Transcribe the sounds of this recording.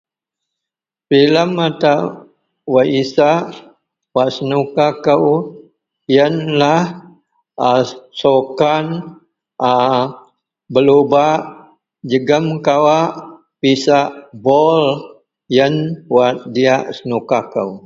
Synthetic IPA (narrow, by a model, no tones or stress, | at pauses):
filəmːat̪a | waʔisaʔ | waʔsənukakəw | jənlah | asokan | a | bəlubaʔ | d͡ʒəɡəmkawaʔ | pisaʔbol | jənwat̪̚diaʔsənukakəw